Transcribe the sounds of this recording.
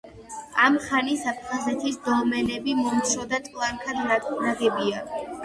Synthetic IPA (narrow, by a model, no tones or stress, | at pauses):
amχanisapʰχazɛt̪ʰisd̪ɔmɛnɛbimɔmt̪t͡ʃʰɾɔd̪at̪ʼkʼlˠaŋkʰad̪naɡɛbia